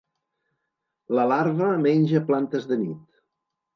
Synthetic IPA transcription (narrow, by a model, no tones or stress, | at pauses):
ləlaɾβəmenʲʒəplant̪əzðənit̪